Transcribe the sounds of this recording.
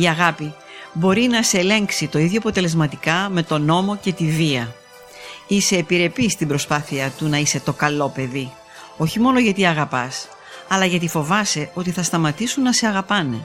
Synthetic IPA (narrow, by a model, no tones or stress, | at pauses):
iɐɣɐpi | bo̞ɾinɐse̞le̞ŋksit̪o̞iðʝoɐpo̞t̪e̞le̞zmɐt̪ikɐme̞t̪o̞no̞mo̞ce̞t̪iviɐ | ise̞ːpiɾe̞pist̪ibɾo̞spɐθiɐt̪unɐise̞t̪o̞kɐlo̞pe̞ði | o̞çimo̞noʝɐt̪iɐɣɐpɐs | ɐlɐʝɐt̪̬ifo̞vɐse̞o̞t̪iθɐst̪ɐmɐt̪isunːɐse̞ɐɣɐpɐne̞̰